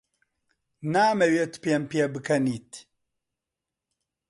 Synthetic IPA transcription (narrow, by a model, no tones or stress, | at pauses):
naːmɛwet̪pempjebɨkʰɐniːt̪